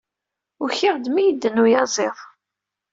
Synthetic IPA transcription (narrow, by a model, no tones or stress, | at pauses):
ʊçɪʁd̪mijəd̪ːənːujɑzˤɪðˤ